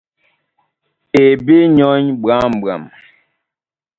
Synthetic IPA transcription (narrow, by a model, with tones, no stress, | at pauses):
e˨bi˦ɲɔ˦ɲba˨˦m˨bɰa̰˨m